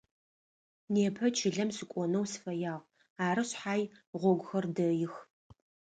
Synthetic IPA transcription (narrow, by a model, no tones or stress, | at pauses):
neːpʰɐt͡ʃʰɪɮɐmsɨkʷʼɔnɐwsɨ̥fɐjaːʁ | aːɾɐɕħaːjʁʷɔɡʷʊxɐrdɐjɪx